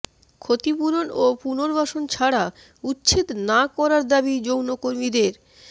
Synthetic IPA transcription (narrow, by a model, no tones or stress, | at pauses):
kʰot̪ipuɾonopunoɾbʱaʃont͡ɕʰaɽa | utːɕʰit̪nakɔɾaɾd̪abid͡ʑownokoɾmid̪eɾ